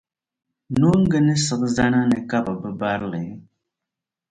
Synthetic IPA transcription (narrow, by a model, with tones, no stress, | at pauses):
no˦ŋ̩˦ɡɨ˦nɨ˦sɨ˨ʔɨ˦za˦na˦nɨ˨ka˦ba˨bɨ˦ba˦ɾɨ˦lɨ˨˦